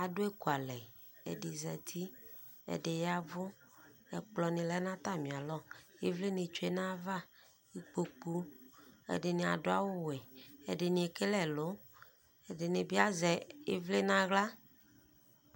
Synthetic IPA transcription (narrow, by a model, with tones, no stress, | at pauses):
a˨dʊ˦e˦ku˨a˨lɛ˨ | ḛ˨dɪ˨zɛ˨t̪ʰi˦ | ḛ˨de˨ja˦vʊ˦ɛ̰˨k͡plɔ˨nĩ˨lɛ˦nã˦t̪a˦˨mĩ˨a˨lɔ˦e˦vle˦nẽ˨t͡ʃo˨˦e˦nã˦va˦ | i˨k͡po˨k͡pu˦ḛ˨dɪ˨nẽ˨a̰˨dʊ˦a˦wo˦we˨ḛ˨de˨nĩ˨e˨ke˦lɛ˨lo˨˦ | e˨de˨nɪ̃˨bi˦a˦zɛ˨e˦vle˦nã˦ɣla˦